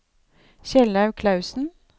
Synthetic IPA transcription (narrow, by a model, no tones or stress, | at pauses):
çɛlnɑʉkʰlɑʉsn̩